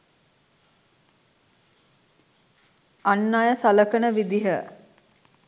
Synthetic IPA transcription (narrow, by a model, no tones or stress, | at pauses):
anːajəsaləkənəʋid̪iɦə